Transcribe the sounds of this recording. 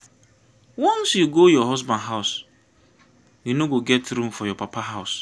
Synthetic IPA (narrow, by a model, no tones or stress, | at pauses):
wɔ̃nsjuɡojɔɦɔsbãnɦaʊs | junoɡoɡɛtɾũm̩fɔjɔpʰapaɦaʊs